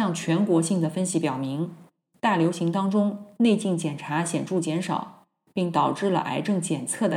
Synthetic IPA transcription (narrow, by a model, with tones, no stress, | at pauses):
ɑ˥˩ŋt͡ɕʰɥɛ˧˥nkwɔ˧˥ɕi˥˩ŋd̪ə˩fə˥nɕi˧˩pjɑ˨˩ʊmi˧˥ŋ | t̪a˥˩ljo˧˥ʊɕi˧˥ŋt̪ɑ˥ŋʈ͡ʂʊ˥ŋne˥˧ɪt͡ɕi˥˩ŋt͡ɕjɛ˨˩nʈ͡ʂʰa˧˥ɕjɛ˨˩nʈ͡ʂu˥˩t͡ɕjɛ˧˥nʂɑ̰˨˩˦ʊ | pi˥˩ŋt̪ɑ˨˩ʊʈ͡ʂɻ̩˥˩lə̰˩ʔa̰˧˥ɪʈ͡ʂɤ˥˩ŋt͡ɕjɛ˨˩nt͡sʰɤ˥˩d̪ə˩